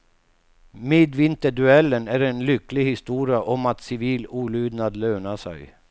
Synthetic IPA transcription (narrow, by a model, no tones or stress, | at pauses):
meːd̪vɪnt̪əɖʉɛlːənæɾenlʏkːlɪhɪst̪uːɾɪaʔɔmat̪sɪviːluːlyːd̪nad̪løːnaʂæ̰j